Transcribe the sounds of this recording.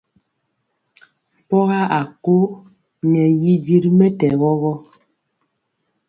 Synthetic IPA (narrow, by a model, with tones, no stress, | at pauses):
pɔ˦ɣa˦ʔa˨ko˦ | ɲɛ˨ji˦di˦ɾmɛ˦tɛ˨ɣɔ˦ɣɔ˦